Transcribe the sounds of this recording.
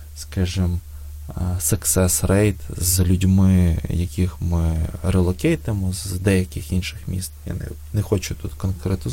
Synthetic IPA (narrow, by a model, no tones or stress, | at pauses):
skaʒɪm | sɐksɛsrɛjt̪zlʲʊdʲmɪjɐkʲixmɪɾelˠɔkʲɛjt̪emɔzd̪ɛjɐkʲɪxinʃɪxmʲḭst̪ja̰nɛ̰ | nexɔt͡ʃʊt̪ut̪kɔnkɾɛt̪ɪ